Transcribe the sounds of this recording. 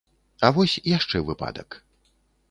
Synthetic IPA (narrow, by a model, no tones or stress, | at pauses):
ɐvɔsʲjaʂt͡ʂɛvɨpa̰d̪ɐk